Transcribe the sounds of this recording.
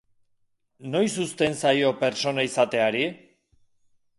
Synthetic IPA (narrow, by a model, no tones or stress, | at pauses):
no̞jsust̪e̞nsajo̞pe̞ɾt͡so̞naisat̪e̞aɾi